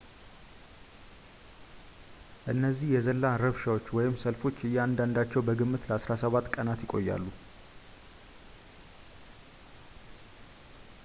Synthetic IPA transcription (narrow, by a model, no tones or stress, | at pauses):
ʔɨnːəzːihjɛzəlːaɾəβʃawot͡ʃːwɔjɪmsəlfo̞t͡ʃːɨjːɛand̪and̪at͡ʃːɛwbəɡɨmːɨt̪ləasɾasəβat̪ːkʼənat̪jɪkʼo̞jːa̰lːu